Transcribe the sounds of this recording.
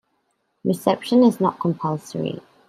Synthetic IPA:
ɹɪsɛpʃə̃nɪznə̰ʔkʰə̃mpʰʌlˠsə̰ɹḭ

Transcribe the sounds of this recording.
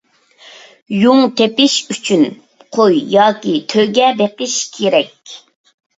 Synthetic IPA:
juŋt̪ʰepɪʃyt͡ʃʰyn | qʰojjɑːkʲit̪ʰøɡʲɛbeqɪʃkʲʰeɾɛkʲ

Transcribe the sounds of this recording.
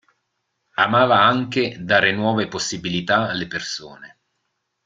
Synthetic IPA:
amaːvaaŋked̪aːɾenwɔːveposːibilit̪aːlːeperso̰ːne

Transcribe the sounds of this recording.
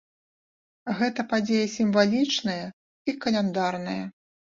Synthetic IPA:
ɣɛt̪ɐpad͡zʲejɐsʲimvalʲit͡ʂnɐjɐ | ikɐlʲɛnd̪arnɐjɐ

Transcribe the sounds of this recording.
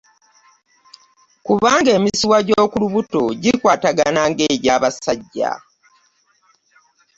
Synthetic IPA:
kuβaːŋɡe̞ːmisiwaɟoːkuluβutoɟikwaːtaɡanaːŋɡeːɾjaːβasaɟːa̰

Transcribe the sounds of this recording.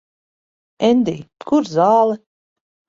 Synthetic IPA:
ɛnd̪iːkuɾzaːlˠɛ

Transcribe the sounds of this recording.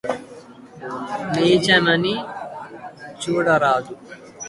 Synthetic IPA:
neːt͡ʃɐmɐni | t͡ʃuːɽɐɾaːd̪u

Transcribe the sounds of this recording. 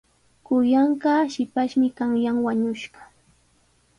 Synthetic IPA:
kʊjaɴɢɑʃɪpaʃmɪkaŋjaŋwaɲʊʃɢɑ̥

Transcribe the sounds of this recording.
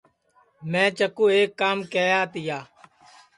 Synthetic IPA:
mɛ̃ːt͡ʃəkuːeːkːaːmkeːjaːt̪ɪjaː

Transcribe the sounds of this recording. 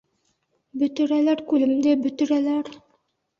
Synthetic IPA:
bɵt̪ɵ̆ɾælæɾkʉlɘ̆md̪ɘbɵt̪ɵ̆ɾælæɾ

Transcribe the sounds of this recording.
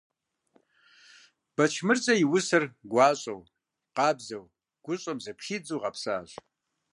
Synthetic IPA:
b̥ɐt͡ʃʰmɨrt͡sʼɐjɪwʊsɨrɡʷɑːɕʼɐ̰w | qɑːbzɐw | ɡ̥ʷʊɕʼɐmzɐpxiːd͡zuːʁɐpsa̰ːɕʼ

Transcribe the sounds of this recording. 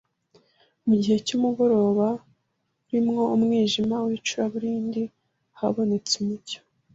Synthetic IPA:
muɟihe̞cumuɡo̞ɾo̞ːβa | uɾimŋo̞umŋiːʒimawit͡ʃuɾaβuɾiːndi | haβo̞ne̞t͡sumuco̥

